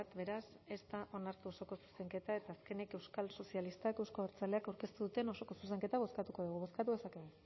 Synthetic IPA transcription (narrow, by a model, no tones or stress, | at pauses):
at̪βe̞ɾas | e̞st̪aʔo̞naɾt̪uoso̞ko̞su̥se̞ŋke̞t̪ae̞t̪aːske̞nike̞wskalso̞sialist̪akewskoeɾt͡sale̞akawɾke̞st̪uðut̪eno̞so̞ko̞suse̞ŋke̞t̪aβ̞o̞skat̪uko̞ðuɣuβo̞skat̪uðe̞sakee